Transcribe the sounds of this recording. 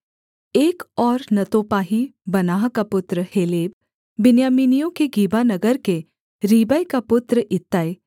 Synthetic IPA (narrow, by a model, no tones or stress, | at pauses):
eːkɔːɾnɐt̪oːpaːɦibɐnaːɦkapʊt̪ɾəheːleːb̚ː | ɪnjaːmiːnijõkeɡiːbanɐɡəɾke | ɾiːbəjkapʊt̪ɾəʔɪt̪ːaːe